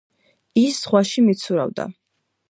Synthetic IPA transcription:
isːʁwaʃimit̪sʰuɾa̰vd̪a̰

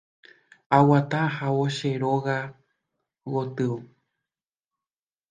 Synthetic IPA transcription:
awat̪ãhawoʃeɾoɣa | wot̪ɨu

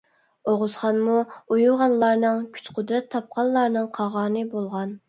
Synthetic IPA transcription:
oʁʊz̥χɑnmuojuʁɑnlˠɑɾnɨŋkʲʰy̥t͡ʃqʰʊd̪ɾɛt̪ʰːɑp̚qʰɑlˠlˠɑɾnɨŋqʰɑʁɑːnɨbolˠʁɑn

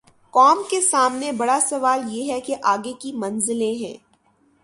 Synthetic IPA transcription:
kɔːmkesaːmnebɐɽasɐʋaːljeɦɛkeʔaːɡekimɐ̃nzɪlẽɦɛ̰̃ː

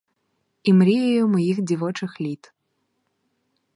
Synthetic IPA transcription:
imɾʲijɐjumɔjixd͡zʲivɔt͡ʂɨxlʲit̪

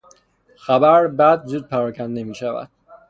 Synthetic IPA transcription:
xæbæɾbæd̪̚zuːd̪̚pʰæɾɒːcʰænd̪emiːʃævæ̰d̪̥

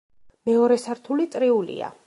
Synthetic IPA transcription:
mɛɔɾɛsaɾt̪ʰulit̪sʼɾiulḭa̰

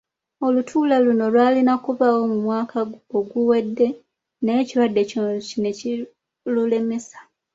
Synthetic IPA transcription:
o̞lutʰuːlaluno̞lwaːlinakuβawo̞mumwaːkʰaoɡuwe̞dːe̞ | najeciɾwadːe̞cinocineci | lule̞me̞sḁ

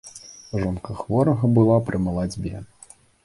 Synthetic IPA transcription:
ʐɔnkɐxvɔɾɐɣɐbɨlˠapɾɨmɐlˠad͡zʲbʲɛ̰

